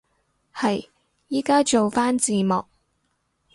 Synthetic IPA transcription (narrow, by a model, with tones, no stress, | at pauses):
hɐ˨j | jiː˥kaː˥t͡ʃo˨wfaː˥nt͡siː˨˩mɔː˨k̚